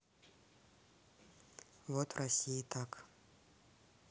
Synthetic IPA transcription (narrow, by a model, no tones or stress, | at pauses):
vɔt̪vrʔɐsʲijit̪ʰak